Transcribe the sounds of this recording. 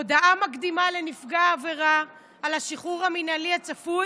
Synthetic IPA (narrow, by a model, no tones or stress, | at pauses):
od̪aʔamakd̪imale̞nifɡaːveʁaː | laʃiχuʁaminaliat͡safu